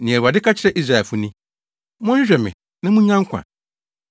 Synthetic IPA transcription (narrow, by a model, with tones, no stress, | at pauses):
nĩ˨ɛ˨a˨dɪ˦kʰa˦t͡ɕʰɪ˨ɾɛ˦ʔi˦sɾa˨ɛ˨fʊ˦nĩ˦ | mʊ̃˦ɕᶣɛ˨mɪ̰̃˨ | nã˦mũ˦ɲã˦ŋ˦kʷʰã̰˨